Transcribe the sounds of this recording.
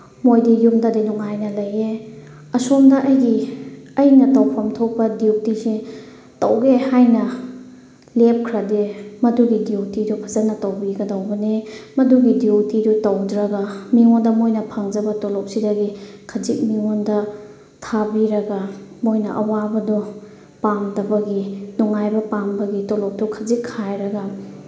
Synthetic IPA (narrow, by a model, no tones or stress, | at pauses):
mojdijumdɐdinuŋajnɐlɐje | ɐsomdɐʔɐjɡiɐjnɐtɐwpʰɐmtʰok̚pɐdiwtisi | tɐwɡehajnɐ | lep̚kʰɾɐdemɐduɡidiwtidupʰɐzɐnɐtɐwbiɡɐdawbɐnemɐduɡidiotidutɐwdɾɐɡamiŋondɐmojnɐpʰaŋd͡ʒɐbɐtolɔp̚sidɐɡikʰɐzik̚miŋondɐ | tʰabiɾɐɡɐmojnɐ̰ʔɐ̰wabɐdɔ | pamdɐbɐɡinuŋajbɐpambɐɡitolɔp̚dɔkʰɐzikʰːajɾɐɡɐ